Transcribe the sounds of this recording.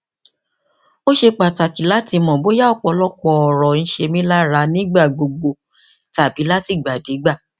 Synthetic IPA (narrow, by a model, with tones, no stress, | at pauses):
o˦ʃe˧k͡pa˨ta˨ki˨˦la˦ti˧mɔ̃˨bo˨˦ja˦ɔ˦˨k͡pɔ˧lɔ˦k͡pɔ˧ɔ˨ɾɔ˨n̩˦ʃe˧mĩ˦la˦ɾa˧˦nĩ˦ɡ͡ba˦˨ɡ͡bo˧ɡ͡bo˧ | ta˨bi˨˦la˦ti˦˨ɡ͡ba˨de˨˦ɡ͡ba˦˨